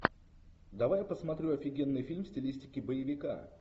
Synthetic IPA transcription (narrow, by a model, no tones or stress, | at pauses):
d̪ɐvajpəsmɐt̪ɾʲuɐfʲɪɡʲenːɨjfʲilʲmsʲtʲɪlʲisʲtʲɪkʲɪbəjɪvʲɪka̰